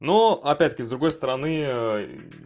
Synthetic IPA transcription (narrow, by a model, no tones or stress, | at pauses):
noɐpʲætʲt̪əkʲɪzd̪ɾʊɡo̞jst̪əɾɐnɨ